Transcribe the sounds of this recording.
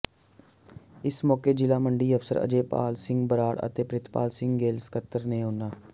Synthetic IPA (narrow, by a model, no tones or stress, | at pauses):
ɪsmɔːkeːd͡ʒɪlaːməɳɖiːəfsə̰ɾə̰d͡ʒeːpa̰ːlsɪ̃ŋɡbəɾaːɽə̰t̪eːpɾɪt̪pa̰ːlsɪ̃ŋɡɡeːlskət̪ːəɾneːɦõːnaː